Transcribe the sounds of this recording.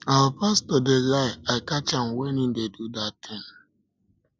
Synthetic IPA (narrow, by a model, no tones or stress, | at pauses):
awəpastodelaɪaɪkat͡ʃãmwɛnĩndedudatʰɪ̃n